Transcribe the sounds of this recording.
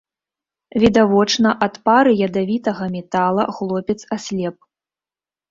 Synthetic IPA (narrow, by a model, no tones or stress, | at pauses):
vʲid̪avɔt͡ʂnɐʔat̪paɾɨjɐd̪avʲit̪ɐɣɐmʲɛt̪alˠɐxlˠɔpʲɛt̪sasʲlʲɛp̚